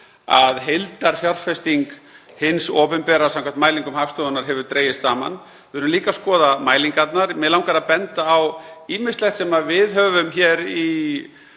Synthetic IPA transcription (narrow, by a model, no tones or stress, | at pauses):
a̰ðɦejlt̪aɾ̥fjarfɛst̪iŋk | hɪnsɔːpɛmpɛɾasãmkʰamnt̪maːjliŋkʏmhaːfst̪ɔðʏnaɾ̥ɦɛvʏɾ̥t̪ɾeːjɪst̪saːma̰n | ɪðʏɾʏmliːkaskɔːðamaːjliŋkat̪naɾmɛlawŋkaɾapɛnt̪aːwiːmɪ̥st̪ɛht̪sɛmavɪðɦœːvʏmçɛɾi